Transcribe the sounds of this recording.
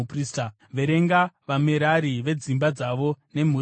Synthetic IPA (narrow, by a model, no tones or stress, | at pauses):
prista | ʋe̞ɾe̞ŋɡaʋameɾaɾiʋe̞d͡zimbad͡zaʋo̞ne̞m̤u